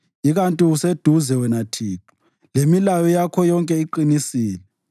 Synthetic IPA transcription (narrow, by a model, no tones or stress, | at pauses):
iɣantʼiused̥ʱuzɛwɛnatʰiːtʰu̥ | lemilajɔjakʰɔjɔŋkʼɛiǃinisiːlɛ